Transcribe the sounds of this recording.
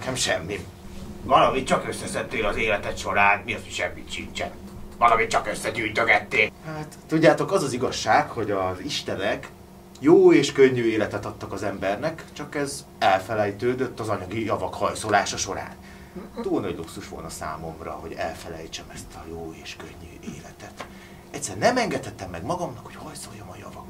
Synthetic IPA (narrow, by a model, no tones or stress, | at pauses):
kɛmʃɛmːi | vɒlɒmit̪t͡ʃɒkøsːɛsɛnt̪ːeːlɒzeːlɛt̪ɛt̪ʃo̞ɾaːnmiɒsiʃɛmːit̪ʃḭnt͡ʃɛ̰n | vɒlɒmit̪t͡ʃɒkøsːɛɟyːjt̪øɡɛt̪ːeːlhaːt̪ːuɟːaːt̪o̞kɒzɒziɡɒʃːaːkho̞ɟɒziʃt̪ɛnɛk | joːeːʃkøɲːyːeːlɛt̪ɛt̪ɒt̪ːɒkɒzɛmbɛrnɛkt͡ʃɒkɛz | ɛlfɛlɛjt̪øːd̪øt̪ːɒzɒɲɒɡijɒvɒkhɒjso̞laːʃɒʃo̞ɾa̰ːn | t̪uːlnɒɟluksuʃʋo̞lnɒsa̰ːmo̞mrɒ̰ho̞̰ɟɛ̰lfɛlɛjt͡ʃɛmɛst̪ɒjoːeːʃkøɲːyeːlɛt̪ɛt̪ | ɛct̪ʲsːɛrnɛmɛŋɡɛt̪hɛt̪ːɛmːɛɡmɒɡɒmnɒkhochɒj̪so̞jːomɒjɒ̰vɒk